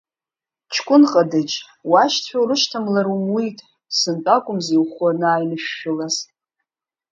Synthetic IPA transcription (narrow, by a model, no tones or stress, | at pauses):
t͡ʃʰkʷʼʊnqʼadɨd͡ʒ | waʃtʰħʷᶣawrɨʃtʰamlaɾumwitʼ | sɨntʼakʷʼʊmziwχanaːjnɨʃᶣːʊlaz